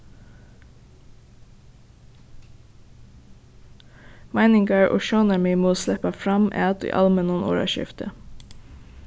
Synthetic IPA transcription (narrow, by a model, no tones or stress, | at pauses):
mæɪnɪŋɡɑɹʔo̰ːʃoːnæmɪmoːslɛpɑfɾɑmʔæ̰ːɑt̪ḭːʔɑ̰lmənuːno̰ːɹɑ̰ʃɪ̰ft̪ʰə